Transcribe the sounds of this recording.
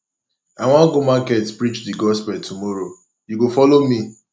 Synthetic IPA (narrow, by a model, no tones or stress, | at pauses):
aŋʷãɡomakɛtpɾit͡ʃdiɡɔspɛltʰumɔɾo | juɡofɔlomi